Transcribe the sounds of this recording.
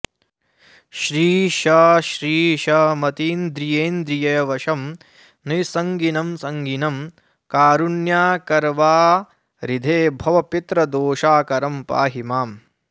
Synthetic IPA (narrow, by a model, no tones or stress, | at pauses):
ʃɾiːʃɐʃɾiːʃɐmɐt̪iːnd̪ɾijeːnd̪ɾijɐjɐʋɐʃɐm | nisɐŋɡinɐmsɐŋɡinɐm | kaːɾunjaːkɐɾʋaː | ɾid̪ʱeːbʱɐʋɐpit̪ɾɐd̪oːʃaːkɐɾɐmpa̰ːɦimaːm